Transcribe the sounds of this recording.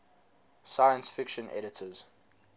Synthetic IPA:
sajə̃nsfɪkʃə̃nɛ̰ɾɪtʰəz̥

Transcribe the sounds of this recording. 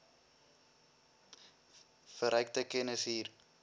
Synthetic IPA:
fəɾœjk̚təkɛnəsɦiːr

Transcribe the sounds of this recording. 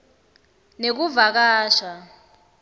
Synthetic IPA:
nek̬uvak̬aːʃa

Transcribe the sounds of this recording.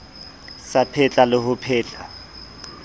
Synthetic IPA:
sapʰɛt͡ɬʼalɪhʊpʰɛːt͡ɬʼa

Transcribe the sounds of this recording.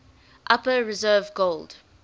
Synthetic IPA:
ʔapəɹɪzɜːvɡold̥

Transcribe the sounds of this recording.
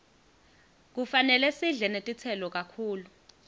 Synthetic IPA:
k̬ufanɛlɛsiɮɛnetʼit͡sʰɛlɔk̬ʼakʰuːlu

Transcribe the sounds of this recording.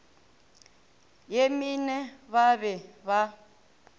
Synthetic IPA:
jeminɛβaβɛβa

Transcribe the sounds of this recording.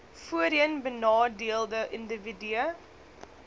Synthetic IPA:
fuəɾiənbənɑːdiəlˠdəʔəndəvidyə

